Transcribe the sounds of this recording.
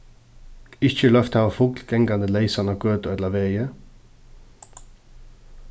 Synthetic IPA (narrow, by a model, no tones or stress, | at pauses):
ɪçəlœft̪hɑːʋəfʊklɡ̥ɛŋɡɑnd̪əlæɪsɑnɑɡøːt̪ːɛd̪lɑʋeɪə